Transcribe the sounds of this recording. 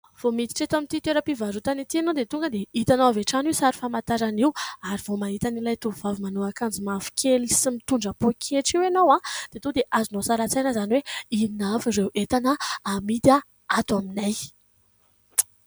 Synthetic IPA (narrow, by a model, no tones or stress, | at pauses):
v̥omit̪i̥ʈ͡ʂet̪amint̪it̪eɾəpivazut̪anit̪ienod̪et̪uŋɡəd̪eit̪anoaveʈ͡ʂanisaɾi̥famat̪aɾaniwaɾiv̥omait̪anilajt̪uvavimanoakand͡zimafi̥kʲʰelisimit̪uɳɖ͡ʐəpokʰeʈ͡ʂiwenowãd̪̥et̪ud̪eʔazunosaɾat͡sajnəzaniweinafiɾewʔet̪anəamid̪a | at̪waminaj